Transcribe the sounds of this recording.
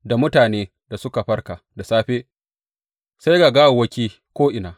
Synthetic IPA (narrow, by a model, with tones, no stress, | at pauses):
da˨mʊ˦taː˨neː˦ | da˨sʊ˦ka˨ɸɐ˦rka˨da˨saː˦ɸeː˦ | sa˦jɡa˨ɡa˦wo˨wɐ˦kʲiː˦ | kʷoː˦ʔɪ˨naː˨